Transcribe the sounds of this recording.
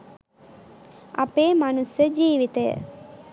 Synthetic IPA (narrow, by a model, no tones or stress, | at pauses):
a̰peːmanusjəd͡ʒiːʋit̪əjə̰